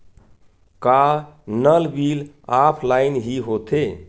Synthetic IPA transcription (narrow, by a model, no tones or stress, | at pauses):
kanəlbil | apʰlaɪnɦiɦot̪e